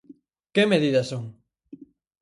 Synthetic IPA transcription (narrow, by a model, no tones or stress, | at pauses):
kemeðiðɐsoŋ